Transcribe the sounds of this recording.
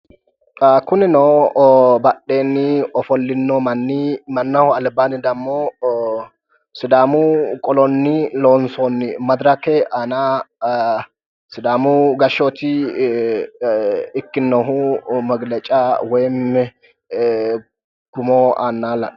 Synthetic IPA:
akʊnɪnoːbɐɗe̞ːnːɪɔfɔlːɪnːɔmɐnːɪmɐnːɐhʊɐlbaːnɪd̪ɐmːo | sɪd̪aːmʊkʼɔlɔnːɪloːnsonːɪmɐd̪ɾɐkɛʔana | sɪd̪aːmʊɡɐʃot̪ɪ | ɪkːɪnːɔɦʊmɐɡlɛt͡ʃʼawɛjmːɛ | ɡ̥ʊmoaːnːaːlɐ

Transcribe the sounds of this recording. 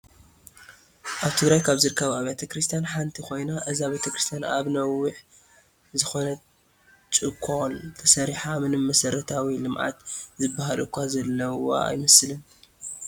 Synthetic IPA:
ʔaβt̪ʰɨɡɾajkʰaβzɨɾɨkʰːɐβaβet̪ʰɐkɾɨst̪ʰijanħant̪ʰikʰo̞jnaʔɨziaβet̪ʰɐkɾɨst̪ʰjanʔa̰βnɐwːʊħ | zɨxo̞nɐ | t͡ʃʼɨkʰːont̪ʰɐsɐɾiħamɨnɨmɐsɐɾɐt̪ʰawilɨmʕa̰t̪zɨbːahalɨkʷʰːazɐlːɐwo̰a̰jmɐslɨn

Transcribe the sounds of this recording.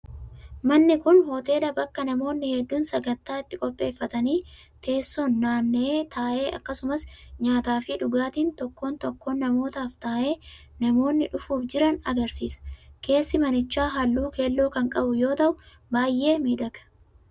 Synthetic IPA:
mɐnːɪkʊnhoːt̪e̞ːlɐbɐkːɐnɐmo̞ːnːɪhɛd̪ːuːnsɐɡɐnt̪ːaːɪt̪ːɪkʼɔpʼːe̞ːfːɐt̪ɐniːt̪ʰe̞ːsːonːaːnːeːt̪ʰaːʔe̞ːʔɐ̰kːɐsʊmɐsɲaːt̪aːfɪᶑʊɡaːt̪iːnt̪ɔkːo̞ːnt̪ɔkːoːnːɐmo̞ːt̪aːft̪aːʔe̞ː | nɐmo̞ːnːɪᶑʊfuːfd͡ʒɪɾɐnɐɡɐɾsiːsɐ̥ke̞ːsːɪmɐnɪt͡ʃːaːɦɐlːuːke̞ːlːoːkɐŋkʼɐbʊjo̞ːt̪ɐʔʊ | baːjːe̞ːmiːᶑɐɡɐ̥

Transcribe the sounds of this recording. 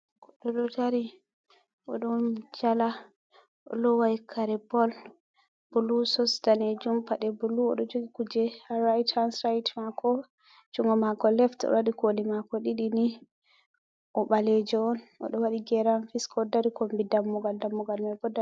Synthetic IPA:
kɔɗɔɗɔtaɾi | ʔɔ̰ɗɔnd͡ʒala | ɔ̰lɔwajkʰaɾɛbɔl | b̥ulusɔsdaned͡ʒumpaɗɛbuluɔ̰ɗɔd͡ʒoɡikud͡ʒɛaɾajtʰansɾajtmakɔ | t͡ʃuŋɡɔmakɔlɛftɔ̰waɗikolimakɔɗiɗini | ʔɔɓalɛd͡ʒɔɔnɔ̰ɗɔwaɗiɡɛɾanfiskɔdaɾikombidamːɔɡaldamːɔɡalmajɡɔda

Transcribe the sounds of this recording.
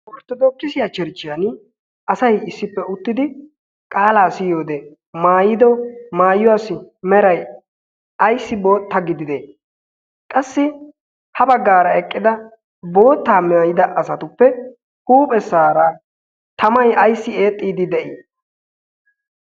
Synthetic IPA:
wɔɾt̪ːɔd̪ɔkːɪsɪjat͡ʃɛɾt͡ʃːɪjan | ɐsɐjɪsːɪpːɛʊt̪ːɪd̪ɪ | kʼaːlaːsɪjo̞ːd̪ɛ | maːjɪd̪ɔmaːjːʊwaːsɪmɛɾɐj | ɐjsːɪbo̞ːt̪ːɐɡɪd̪ɪd̪eː | kʼɐsːɪ | hɐbɐɡːaːɾɐɛkʼːɪd̪ɐ | bo̞ːt̪ːaːmɛɐjɪd̪ɐʔɐsɐt̪ʊpːɛ | huːpʼɛsaːɾa | t̪ɐmɐjɐjsːɪe̞ːt̪ʼːiːd̪ɪd̪ɛʔɪ

